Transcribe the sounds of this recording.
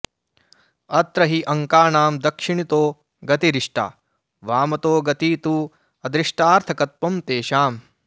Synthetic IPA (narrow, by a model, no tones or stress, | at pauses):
ɐt̪ɾɐɦiʔɐŋkaːɳaːmd̪ɐkʂiɳit̪oː | ɡɐt̪iɾiʂʈa̰ː | ʋaːmɐt̪oːɡɐt̪iːt̪u | ɐd̪ɾiʂʈaːɾt̪ʰɐkɐt̪̚pɐmt̪eːʃaːm